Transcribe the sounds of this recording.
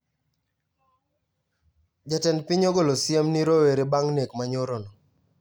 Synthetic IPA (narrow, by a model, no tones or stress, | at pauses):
d͡ʒatɛnpiɲoɡolosjemniɾoweɾebaŋnekmaɲoɾɔnɔ